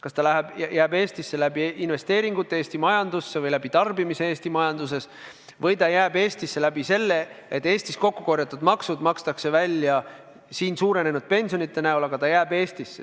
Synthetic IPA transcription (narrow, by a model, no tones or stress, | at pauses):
kɑst̪ɑlæɦebjæːbe̞ːst̪isːe̞læbiʔinve̞st̪e̞ːɾiŋɡ̥ut̪ˑːeeːst̪imɑjɑnd̪usːevɤjlæb̥it̪ɑrbimise̞e̞ːst̪imɑjɑnd̪̥us̬e̞s | vɤjt̪ɑjæːb̥e̞ːst̪isːe̞læb̥ise̞lːe̞et̪ːˑe̞ːst̪isko̞kːuko̞rjɑt̪ːud̪mɑksud̪mɑkst̪ɑkse̞vælʲːjɑ | siːnsuːɾe̞ne̞nud̪̥̚pe̞nʲsionit̪ːˑe̞næulɑɡ̥ɑt̪ɑjæːbe̞ːst̪isːe